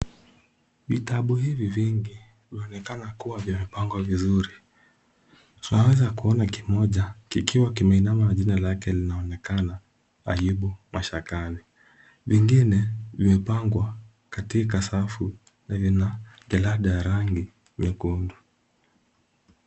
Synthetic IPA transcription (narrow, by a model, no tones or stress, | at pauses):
vitaɓuhiviviŋɡi | vimɛɔnɛkanakuwavimɛpaŋɡwavizuɾi | tunawɛzakuɔnakimɔʄakikiwakimainamanaʄinalakɛlinaɔnɛkana | a̰jiɓumaʃakani | viŋɡinɛvimɛpaŋɡwa | katik̬asafu | navinaʄalaɗajaɾaŋɡi | ɲɛkundu